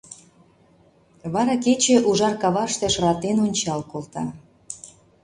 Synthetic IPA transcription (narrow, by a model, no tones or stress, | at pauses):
βɑɾɑket͡ɕĕʔuʒɑrkɑβɑʃt̪eʃrɑt̪enonʲt͡ɕɑlkolt̪ɑ